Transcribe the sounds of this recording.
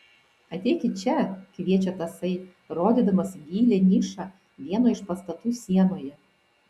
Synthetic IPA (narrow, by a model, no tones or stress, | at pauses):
ɐt̪ʲɛɪkʲɪt͡ʃʲɛkʋʲiɛt͡ʃʲɛt̪ɐsɐɪ | ɾoːd̪ʲiːd̪ɐmɐsɡʲiːlʲenʲiːʃɑ | ʋʲiɛnoːɪʃpɐst̪ɐt̪uːsʲiɛnoːjɛ